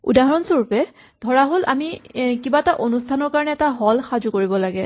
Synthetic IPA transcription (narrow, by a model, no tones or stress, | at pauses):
ṵdaɦɔɹɔnsoɹpɛ | dʱɔɹaɦolʔa̰mikibataʔonustʰanɔɹkaɹɔnɛɛtaɦɔlxazukoɹibɔlaɡɛ